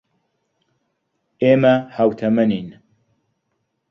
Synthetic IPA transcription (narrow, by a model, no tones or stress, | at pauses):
eːmɐhawt̪ʰɐmɐnin